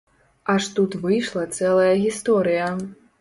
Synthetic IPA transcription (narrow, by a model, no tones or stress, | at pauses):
aʂt̪ut̪vɨjʂlˠɐt̪sɛlˠɐjɐɣʲist̪ɔɾɨjɐ